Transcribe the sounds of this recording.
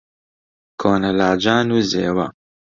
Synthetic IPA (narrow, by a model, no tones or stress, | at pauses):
kʰoːnɐlaːd͡ʒaːnuːzeːwɐ̰